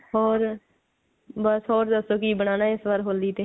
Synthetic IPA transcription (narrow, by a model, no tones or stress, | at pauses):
ɦɔːɾ | bəsɦɔːɾd̪əsoːkiːbəɽ̃aːnaːɪsʋaɾɦoːld̪iːt̪eː